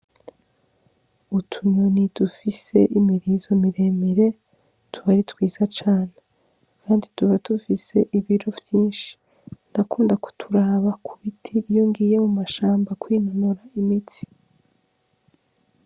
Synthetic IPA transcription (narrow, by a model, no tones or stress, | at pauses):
utʰuɲonidufise̞̰ʔimiɾizo̞miɾe̞ːmiɾe̞ | tuβaɾitwiːz̥at͡ʃaːne | kʰaːndituβatufise̞ʔiβiɾo̞vjiːnʃi̥ | ndakuːndaku̥tʰuɾaːβakʰuβitʰijoŋɡiːje̞mumaʃaːmbakwiːnanuɾaimiti̥